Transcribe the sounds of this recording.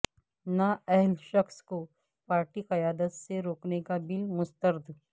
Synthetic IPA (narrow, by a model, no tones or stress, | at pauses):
naɛɦlʃɐxsko | paːɾʈikɐjaːd̪ət̪seɾoːknekabɪlmʊst̪əɾd̪ʱ